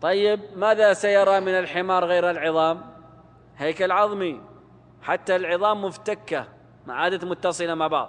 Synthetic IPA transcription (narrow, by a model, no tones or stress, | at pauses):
t̪ˤɑjːɪb̚maːðasajɑɾˤɑmɪnɪlħɪmɑːɾˤɣeːɾɪlʕɨðˤɑːm | heːkalʕɑðˤmi | ħat̪ːalʕɨðˤɑːmːʊft̪akːa | maʕaːd̪amʊt̪ːɑsˤɨlamaʕbɑ̰ʕðˤ